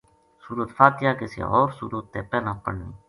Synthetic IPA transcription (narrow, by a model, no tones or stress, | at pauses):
suːɾuːt̪faːt̪ɪjaːkɪsḭːɔːɾsṵːɾuːt̪ːeːpɛːnãːpəɽnḭː